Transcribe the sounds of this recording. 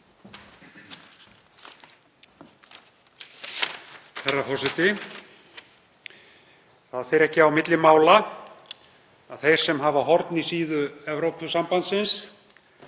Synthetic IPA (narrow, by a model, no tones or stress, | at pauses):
θɛrːafɔsɪt̪ɪ | θaðθejɾɛhcɪawmɪt̪lɪmaːwla | aðθejɾ̥sɛmɦavaɦɔɾt̪nisiːðʏɛvɾowpʏsampant̪sɪns